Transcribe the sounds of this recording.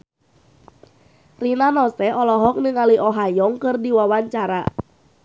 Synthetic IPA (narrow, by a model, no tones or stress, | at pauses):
rinanɔsɛɔlɔɦɔk̚nɨŋaluʔɔɦajɔŋkɨrdiwawaɲt͡ʃaɾa̰